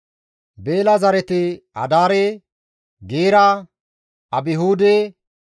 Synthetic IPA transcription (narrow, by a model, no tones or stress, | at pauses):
be̞ːlɐzɐɾɛt̪ɪɐ̰d̪aːɾe | ɡeːɾɐ | ɐbɪɦuːd̪e